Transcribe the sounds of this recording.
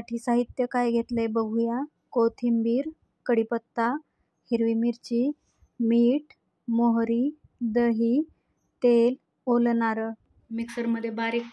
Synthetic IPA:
saʈʰiːsaɦit̪jəkajɡʱet̪lebəɡʱuja | kot̪ʰimbiːɾ | kəɽipət̪ːa | hiɾʋimiɾt͡ɕi | miːʈ | moɦɾi | d̪əɦi | t̪el | olnaɾə | miksəɾməd̪ʱːjebaɾik

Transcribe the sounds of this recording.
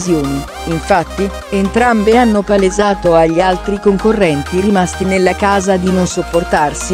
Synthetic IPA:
zjoːniː | ɱfat̪ːi | ent̪ɾambeanːopaled͡ʒaːt̪oaʎːialt̪ɾikoŋkorːɛnt̪iɾimast̪inelːakaːzad̪inonsopːort̪arsi

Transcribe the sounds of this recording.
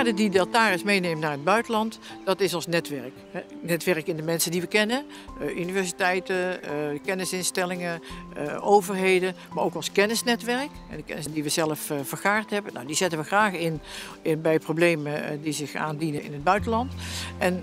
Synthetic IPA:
aːɹdədidɛlˠtaːrɪsmejnejmənaːɹɦəd̚bœɥtəlɑnt | d̥ɑtɪsɔnsnɛtʋɛɹəkɛnɛtʋɛɹəkɪndəmɛnsəndiʋəkɛnən | ʔynivɛɹsitɛjtəkɛnɪsɪnstɛlɪŋə | owvəɹɦejdəmaːɹʔowkɔnskɛnɪsnɛtʋɛrək | ɛdəkɛ̰nɪsdiʋəzɛləffəɹχaːɹtɦɛbəna̰wdizɪtənʋəxraːχɪn | bɛjprowblejmədizɪxa̰ːndinənɪ̰nɦəd̚bœɥtəlɑntʔɛn

